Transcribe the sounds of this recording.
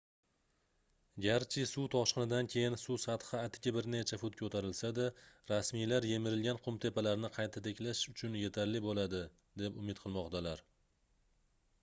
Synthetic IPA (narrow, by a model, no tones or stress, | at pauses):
ɡʲaɾt͡ʃʰɪsut̪ʰɒʃqɨnɪd̪ankʲʰe̞jɪnsusat̪χɨːt̪ʰɪ̥ɡʲabɪɾnet͡ʃʰafʊt̪kʲʰɵt̪ʰaɾɪlsad̪aɾasmijlaɾje̞mɪɾɪlɡʲanqʰʊmt̪ʰe̞palaɾnɪqʰɑjt̪ʰat̪ʰe̞kʲlaʃʊt͡ʃʰʊnje̞t̪ʰaɾlɪbolad̪ɪ | d̪e̞pʊmɪt̪̚qʰɨlˠmɒqt̪ʰalaɾ